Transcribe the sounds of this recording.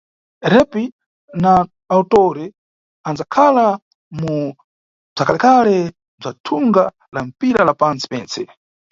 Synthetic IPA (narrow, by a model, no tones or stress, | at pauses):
ɾɛpi | naː | utɔɾɛ | and͡zakʰala | mu | b͡ʐakalɛkalɛ | b͡ʐatʰuŋɡa | lam̩piɾalapant͡si̥pɛːnt͡sɛ